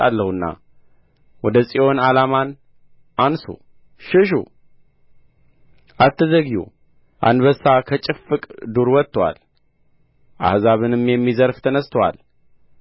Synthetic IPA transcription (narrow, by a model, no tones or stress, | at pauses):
alːəhɨnːa̰ | wɔd̪əsʼiʔo̞nalaman | ʔansṵ | ʃɪʃ̬ṵ | ʔat̪ːəzəɡjṵ | ʔa̰nβəsːakʰət͡ʃʼɨfɨkʼd̪uɾwɔt̪ːwa̰l | ʔa̰hzaβɨnɨmjɛmːizəɾft̪ʰənəst̪ʰəwa̰l